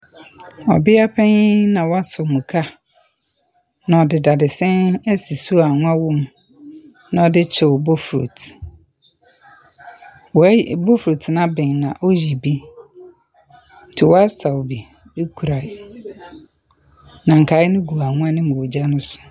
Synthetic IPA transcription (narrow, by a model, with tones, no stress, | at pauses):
ɔ̰˨bɪ˦a˦pʰɛ̃˦nã˨wɔ˦a˦sɔ˨mũ˨kʰa˦ | nã˨ɔ˨dɪ˨da˨dɪ˨sɛ̃˦nɛ˦si˨su˦˨a˨ŋʊ̃˦a˦wɔ̃˦m | nã˨ɔ˨˦dɪ˦t͡ɕʰɪ˨wʊ˨bo˦fɾo̰˨t | wɔ˨˦bo˦fɾo˨tʰnã˦bɛ̃˨nã˨ʔɔ˦ji˨bi˦ | tʰɪ˨wɔ˦a˦sa˨wbi˨ | e˦kʰu˨ɾa˨ | nã˨ŋ̩˨kʰa˨˦ɪ˦nɪ̃˦ɡu˨a˨ŋʊ̃˦a˦nɪ̃˦mũ˨wo˨d͡ʑa˦nʊ̃˦sʊ̥˨